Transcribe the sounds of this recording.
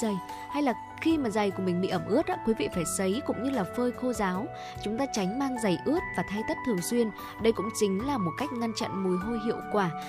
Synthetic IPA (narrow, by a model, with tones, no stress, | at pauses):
ə˨˩j | ha˧jlaː˨˩ | xi˧maː˨˩za˨˩jku˧˩mï˨˩ŋ̟ɓḭ˧˨ʔə˧˩mʔɨ˦˥ət̚ʔaː˨˦kwi˨˦vḭ˧˨faː˧˩jsə˨˦jkʊ̰˧˥ŋ͡mɲɨ˧laː˨˩fəː˧jxo˧zaː˨˦w | t͡ɕʊ˨˦ŋ͡mt̪aː˧t͡ɕa˨˦jŋ̟maː˧ŋza˨˩jʔɨ˦˥ət̚vaː˨˩t̪ʰa˧jt̪ə˦˥t̚t̪ʰɨ˨˩əŋswi˧ən | ɗə˧jkʊ̰˧˥ŋ͡mt͡ɕï˨˦ŋ̟laː˨˩mo˨˩t̚ka˦˥jk̟̚ŋa˧nt͡ɕa̰˧˨nmu˨˩˦jɦo˧jɦḭ˧˨əwkwaː˧˩